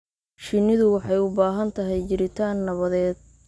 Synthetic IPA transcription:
ʃɪnɪðʊwɑħɑjʊbaːɦɐnt̪ʰɐɦɛjt͡ʃɪɾɪt̪ʰaːnːɐβɐðɛːd̪̥̚

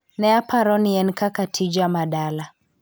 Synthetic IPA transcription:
nɛapʰaɾɔniɛnkakatʰid͡ʒamaɗala

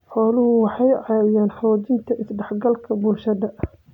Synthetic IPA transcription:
ħɔːlʊhʊwɑħɑjʕɑːwɪjaːnħɑɔːt͡ʃɪnt̪ʰɐʔɪsɖɑħɡɐlkʰɐbʊlʃɐðɐʔ

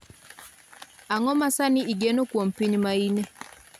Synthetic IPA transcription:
aŋɔmasaniiɡenokwompiɲmaine

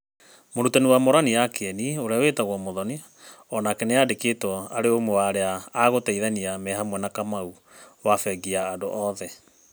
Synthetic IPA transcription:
moɾutanewamoɾanijakeɛnioɾeawetaɣwɔmoðɔni | ɔnakɛnejadeketɔaɾeomwɛwaɾeaːɣotɛiðaniamɛɦamwɛnakamau | wafɛɡiaːdoʔɔðɛ

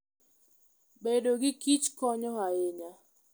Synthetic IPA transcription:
bedoɡɪkit͡ʃkɔɲɔɦaeɲa

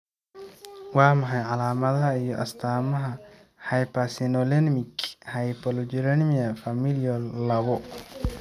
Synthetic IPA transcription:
wɑːmɐħɑjʕɑlaːmɐðɐɦɐijɔʔɐ̰st̪ʰaːmɐɦɐ | hɐjpɐsinɔlɛnmɪkhɐjpɔlɔd͡ʒiɾɛnmiɐfɐmilɔllɐɣɔ

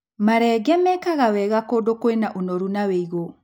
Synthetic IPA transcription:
maɾɛɡɛmɛkaɣawɛɣakoːdokoenaʔonɔɾunaweiɣo

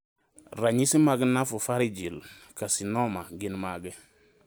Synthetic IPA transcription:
ɾaɲisimaɡənafufaɾid͡ʒilkasinɔmaɡinmaɡe

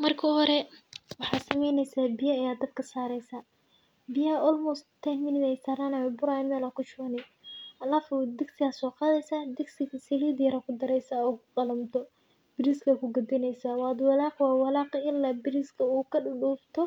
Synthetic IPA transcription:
mɐrkʰɐhɔɾɛwɑħɑːsɐmɛjnɛjsaːbɪjɐːjaːd̪ɐb̪kʰɐsaːɾɛjsaː | bɪjɐʔɔlmʊst̪ʰɛmɪnɪðɛjsaːɾaːnajɔbʊɾanɪnɐlakʰʊt͡ʃʊɐnɛɐlaːfɔd̪ɪɡsɪɣasɔːqɑːðɛjsaːd̪ɪɡsɪɣɐsɛliːd̪jɐɾɐkʰʊd̪ɐɾɛjsaːɔːkʰʊqɑlɐmt̪ʰɔ | b̥ɪɾiskʰɐkʰʊɡɐd̪ɪnɛjsaːwɑːd̪wɑlaːqwɑːwɑlaːqɪlːaːbɪɾɪskʰɐuːkʰɐɖʊɖuːft̪ʰɔ

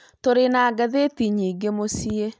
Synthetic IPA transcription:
toɾenaɡaðetiɲiːɡemosie

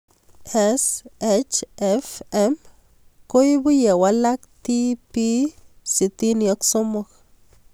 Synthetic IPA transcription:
eset͡ʃefem | kojbijawalakt̪ipi | sit̪inioksomok

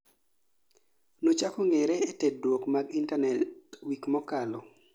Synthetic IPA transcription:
not͡ʃakoŋɛɾɛːtɛdwokmaɡintanɛtwikmɔkalɔ

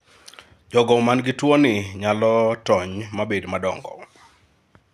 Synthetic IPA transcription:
d͡ʒɔɡɔmanɡɪtwɔnɪɲalɔtɔɲmabedmadɔŋɡɔ̰

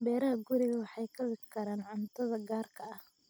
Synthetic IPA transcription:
bɛːɾɐɦɐɡʊɾɪɣɐwɑħɑjkʰɐwɪkʰɐɾaːnʕʊnt̪ʰɐðɐɡaːrkʰɐɐh

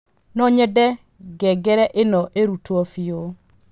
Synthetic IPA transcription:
nɔɲɛdɛ | ɡɛɡɛɾɛʔenɔʔeɾutwɔfio

